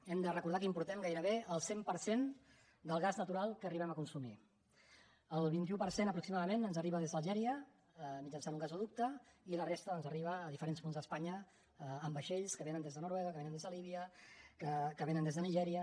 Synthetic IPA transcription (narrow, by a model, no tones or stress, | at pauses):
ɛmd̪ərəkuɾð̞akimpuɾt̪ɛmɡajɾəβeəlˠsempəɾsen | d̪əlˠɣaznət̪uɾalˠkəriβ̞ɛməkunsumi | əlˠβint̪iupəɾsenəpɾuksimaðəmenənzəriβəðezðəlˠʒɛɾiə | mid͡ʒənsanuŋɡazuðup̚t̪əilərest̪əːnzəriβ̞əːðifəɾenspunzðəspaɲəː | mbəʃeʎskəβenənd̪ezðənuɾwɛɣəkəβenənd̪ezðəliβiəkəkəβenənd̪ezðəniʒɛɾiə